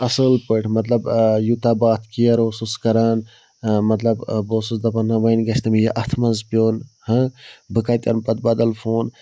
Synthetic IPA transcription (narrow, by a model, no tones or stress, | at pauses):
ɐsəːlpəʈʰmɐt̪lɐbjut̪abaːt̪ʰkijɐɾoːsuskɐɾaːn | mɐt̪lɐbboːsusd̪ɐpɐnːɐʋɐjnɡɐsʰt̪ɐmjeʔɐt̪ʰmɐnzpʲjoːnhə̃bɨkaːjt̪ʲɐ̰npɐt̪̚bɐd̪ɐlfʰoːn